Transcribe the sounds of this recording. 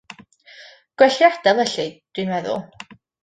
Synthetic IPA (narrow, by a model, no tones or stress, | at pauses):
ɡ̥wɛɬjad̥ɛlˠɛɬɪd̥winvɛðʊ̰lˠ